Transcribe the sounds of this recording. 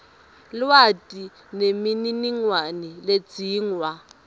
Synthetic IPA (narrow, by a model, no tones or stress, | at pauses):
lwatʼi | nemininiŋwanilet͡siːŋwa